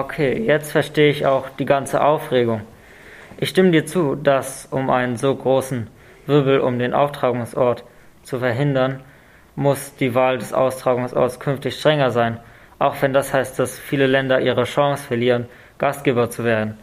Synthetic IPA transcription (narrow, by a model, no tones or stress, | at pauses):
ʔokʰeːjɛt͡stfɛɐʃteːəɪça̰ʊxd̥iːɡant͡səʔaʊfʁ̥eːɡʊŋ | ʔɪçʃtɪmədiːɐt͡suːdasʔʊmʔa̰ɪnənzoːɡʁoːsn̩ | vɪɐbl̩ʔʊ̰mdeːnʔa̰ʊftʁ̥aːɡʊŋsʔɔɐt | t͡sufɛɐɦɪndɐn | mʊsd̥iːvaːldɛsʔa̰ʊstʁ̥aːɡʊŋsʔɔ̰ɐtskʰʏnftɪçʃtʁ̥ɛŋɐzaɪn | ʔaʊxv̥ɛndashaɪst̚d̥asfiːləlɛndɐʔiːʁ̞əʃɑ̃ŋsfɛɐliːʁən | ɡ̥astɡ̥eːbɐt͡suveːɐdn̩